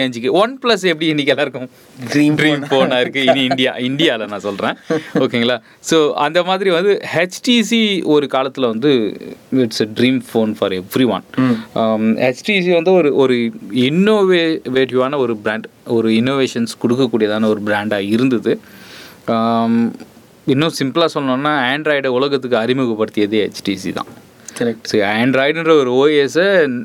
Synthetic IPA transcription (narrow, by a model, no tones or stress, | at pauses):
eːɲd͡ʒɯkːɯʋɐnplɐs̬ɛpːɐɽiɛnːɪk̬ʲːɐlaːɪɾɯkːʊ̃ | ɖɾiːɖɾiːmfoːnaːɪɾɯkːɯɪnːɪɳɖɪja̰ːɪɳɖɪjaːɪlɐnãːsɔlrɾẽːoːkeːŋɡɐlaː | soːɐnd̪ɐmaːðɪɾiʋɐnd̪ɯhɛt͡ʃʈisiɔɾɯkaːlɐt̪ːɪlʋɐnd̪ɯɪʈseɖɾiːmfoːnfɐːɾɛʋɾiʋɐ̰n | hɛt͡ʃʈis̬iʋɐnd̪ɯɔɾɯʔɔɾɯɪnːoːʋeʋeːʈɪʋaːnɐɔɾɯbɪɾaːɳɖɔɾɯɪnːoːʋeːʂɐnskɔɽɯk̬ːɐkːuːɽɪjɐðaːnɐɔɾɯbɪɾaːɳɖaːɪɾɯnd̪ɐðɯ | ɪnːõsɪmpɐlaːsɔlːɐnõːnːaːeːɳɖɾɐɪɽʊlɐɣɐt̪ːɯkːɯɐɾɪmɯɣɐpːɐɽɯt̪ːɪjɐðɯɛt͡ʃʈiːsḭt̪ã̰ː | kɐɾɛʈsoːeːɳɖɾɐɪɖɛnrɐɔɾɯoːeːsɐ